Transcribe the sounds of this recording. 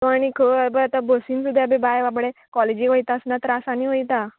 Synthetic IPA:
t̪oaɽ̃ikʰəabəat̪abosinsud̪ʱjabebajʋabɽekɔled͡ʑikəjt̪aəsnat̪ɾasañiɦojt̪a

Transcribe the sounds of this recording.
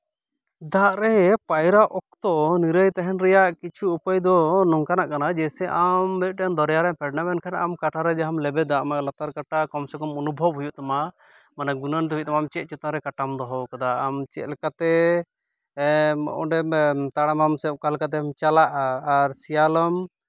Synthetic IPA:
d̪aʔɾɛpajɾaʔɔk̚t̪ɔʔniɾəjt̪ɛɦɛnɾɛjaʔkit͡ʃʰuupəjd̪ɔnɔŋkanaʔkanad͡ʒɛsɛʔamɛt̪̚ˀʈɛnd̪ɔɾjaɾɛpɛɾnamɛnkʰanʔamkaʈʰaɾɛd͡ʒaɦamlɛbɛd̪aʔmaʔlat̪aɾkaʈakɔmsɛkɔmɔnubʱɔbɦujuʔt̪ama | manaɡunənt̪uit̪̚t̪amaːmt͡ʃɛt̪̚ˀt͡ʃut̪aɾɛkaʈamd̪ɔɦɔwkad̪aːmt͡ʃɛ̰t̪̚lɛkat̪ɛ | ɔ̰ʔɔ̰ɖɛt̪aɽamamsɛp̚kalɛkat̪̬ɛamt͡ʃalaʔaːɾsijaləm

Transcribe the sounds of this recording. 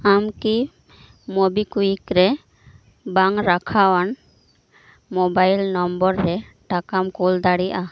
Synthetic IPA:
amki | mobikuikɾɛ | baŋɾakʰawan | mobajlnɔmbɔɾːɛ | ʈakamkold̪aɽiʔa

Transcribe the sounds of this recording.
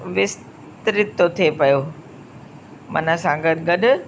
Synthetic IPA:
ʋɪs | t̪ɾɪt̪ːot̪ʰiepɐjoː | mɐ̰nəsãːɡəd̪ɡɐɗʊ̆

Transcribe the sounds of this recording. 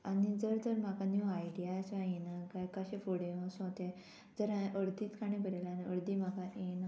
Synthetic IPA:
anid͡zəɾd͡zəɾmakaniaiɖijasãjenakajkəɕefoɽeãsõt̪e | d͡zəɾaʔəɽd̪ʱiːt̪kanebʱəɾelaniəɽd̪imakaena

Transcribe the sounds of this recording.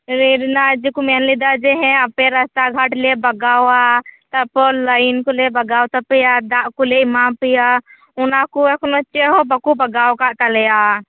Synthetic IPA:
ɾiɾinad͡ʒikumenlid̪ad͡ʒeɦɛ̃əpeɾəst̪aɡʱəʈlebɐɡawat̪əpɔləɪnkolebɐɡawt̪əpijad̪aʔkuleimapija | ʊnakuekʰnot͡ʃeɦɔbəkubɐɡawkaʔt̪alɛja

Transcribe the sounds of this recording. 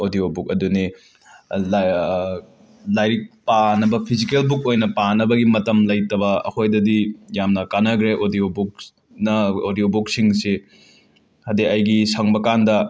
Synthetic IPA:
odijobuk̚ɐduni | lajɾik̚panɐbɐpʰizikelbuk̚ojnɐpanɐbɐɡimɐtɐmlɐjtɐbɐɐ̰kʰojdɐdijamnɐkanɐɡɾeʔodijobuk̚ | nɐodiobuk̚siŋse | hɐdeɐjɡisɐŋbɐkandɐ

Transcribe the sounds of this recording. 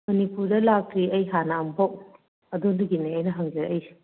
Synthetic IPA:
mɐnipuɾdɐlak̚ɾiɐjɦanɐɐmpʰaw | ɐdonduɡineɐjnɐɦɐŋd͡ʒɐɾʔɐj

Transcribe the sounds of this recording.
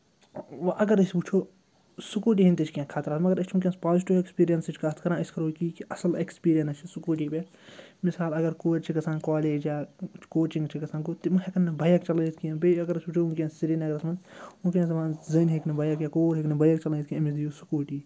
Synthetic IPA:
ʋʔɐɡɐɾɐsput͡ʃʰoː | sukuːʈ̬iːɦint̪it͡ʃʰkãkʰaːt̪ɐɾaːt̪mɐɡɐɾɐt͡ʃʰũk̬ʲẽnspaːzʈiʋekspiːɾijɐnsɐt͡ʃʰʲkat̪ʰkɐɾãːiskɐɾoːkiːkiʔɐsɐlekspiːɾijɐnɐt͡ʃʰisukuːʈiːpe | misaːlɐɡɐɾkoːd͡ʒt͡ʃʰikɐsãːnkaːleːd͡ʒjaːt͡ʃkoːt͡ʃĩŋɡt͡ʃʰikɐsaːnɡot̪imuɦekɐnːɐbɐjkt͡ʃɐlɐ̃t̪ʰkiɐ̃beɐɡɐɾɐsʲput͡ʃʰoːũkʲjẽnssiɾinɐɡɐɾɐsmɐnd̪ũkʲãnzɐmãːnzɐnɦeknɐbɐjɐkjaːkoːɾɦeknɐbɐjɐkt͡ʃɐlət̪ʰkiɐ̃mid̪ijosukuːʈiː

